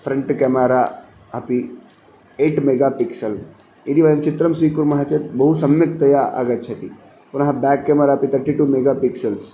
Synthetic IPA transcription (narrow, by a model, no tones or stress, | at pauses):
fʰɾɐɳʈkemaɾa | ɦɐpi | eːʈmeɡapiksɐl | id̪iʋajɐmt͡ʃit̪ɾɐmsʋikuɾmɐɦat͡ʃʰɐt̪bɐɦusɐmjɐkt̪ɐjaʔa̰ɡət̪̚t͡ʃʰɐt̪i | punɦãbɛːkːemaɾapit̪ʰɐɾʈiʈumeɡapiksɐls